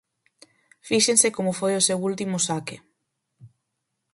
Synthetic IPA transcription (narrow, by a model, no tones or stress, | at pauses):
fiʃensekomʊfojʊsewult̪imʊsakɪ